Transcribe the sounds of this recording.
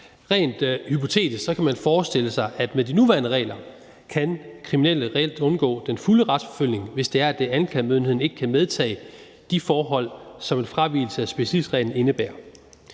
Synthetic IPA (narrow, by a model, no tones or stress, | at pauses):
ʁɛ̰ːnd̥hypʰo̝t͡sʰe̝̰ːd̥issɒ̽kʰæmænfɒːsd̥e̝l̰əsɑ̈ɪʔæd̥med̥inuʋæːɐnəʁɛ̰ːlɐ | kʰænkʰʁiminel̰əʁɛ̰l̰d̥ɔ̽nɡ̥ɔ̰ːd̥enfuləʁɑd̥sfɒ̽føl̰ne̝ŋʋe̝sd̥e̝æɐæd̥eænkʰlɛmøðˠnhe̝̰n̩e̝ɡ̥əkʰæmeð̞ˠt͡sʰɛ̰ː | d̥ifɒːɦɒ̽l̰sɒ̽me̝nfʁɑʋḭːl̩səæsb̥e̝ɕəlḭ̥sʁɛ̰ːln̩e̝nəb̥æːɐ